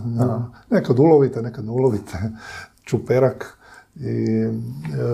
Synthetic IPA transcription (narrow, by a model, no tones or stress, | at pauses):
nekad̪uloʋit̪enekad̪nɛuloʋit̪ʰe | t͡ʃupeɾak | i